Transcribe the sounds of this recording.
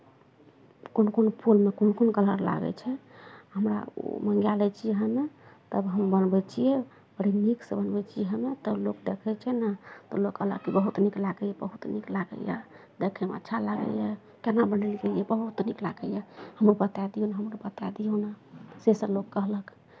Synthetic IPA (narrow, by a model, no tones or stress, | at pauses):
konkonpʰulmekonkonkələɾla̰ɡɛ̰t͡ʃʰɛɦəmɾa̰o̰məŋɡjalɛt͡ʃʰijɛɦəmet̪əbɦəmbənbɛt͡ʃʰijɛ | bəɽiniksebənbɛt͡ʃʰijɛɦəmet̪ɔlokd̪ekʰɛt͡ʃʰɛnat̪ɔlokələ̰kibəɦut̪niklaɡəjebəɦut̪niklaɡə̰ja̰ | d̪ekʰɛmḛə̰tːʃʰalaɡə̰jɛ | kenabənəlid͡ʒəiɛbəɦut̪niklaɡəjehəmɾubət̪ad̪ijonaɦəmɾubət̪ad̪ijonasesə̃lokːəɦləkʰ